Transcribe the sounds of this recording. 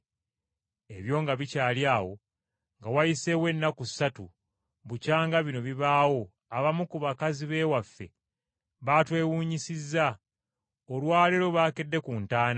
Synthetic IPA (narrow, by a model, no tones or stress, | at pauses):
e̞βjo̞ːŋɡaβicaːljaːwo̞ | ŋɡawajise̞we̞nːaku̥satu | βucaːŋɡaβino̞βiβaːwo̞ | aβamukuβakaziβe̞ːwafːe̞̰ | βaːtwe̞ːwuːɲisizːa | olwaːleɾo̞βaːke̞dːe̞kuntaːna